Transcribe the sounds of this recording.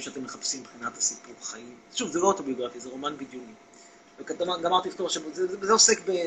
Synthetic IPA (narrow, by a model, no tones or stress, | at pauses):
ʃeat̪emːeχapsimbeχinat̪hasipuʁaχaimʃuvzelooto̞bioɡʁafizeʁo̞manbid̪juni | vekatamaɡamaʁt̪iift̪oʁʃebzezeosekbe